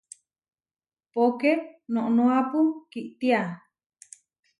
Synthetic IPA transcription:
pokenõʔnũapukiʔt̪ia

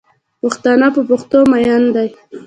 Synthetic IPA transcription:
pʊxt̪ɑnapəpʊxt̪omajand̪aj

